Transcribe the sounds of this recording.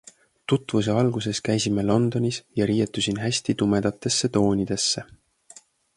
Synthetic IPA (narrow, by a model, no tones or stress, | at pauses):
t̪ut̪ːˑvus̬e̞ɑlɡ̥use̞skæjsimelo̞nd̪̥o̞nʲisjɑɾiːjet̪ːˑusʲinɦæsʲt̪it̪ume̞d̪̥ɑt̪ːˑe̞sːe̞t̪o̞ːnʲid̪̥e̞sːe̞